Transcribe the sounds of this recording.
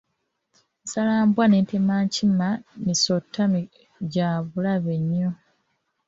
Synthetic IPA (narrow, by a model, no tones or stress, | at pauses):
salaːmbwane̞ːntemaːɲcimanisotʰːami | ɟaːβulaβeɲːo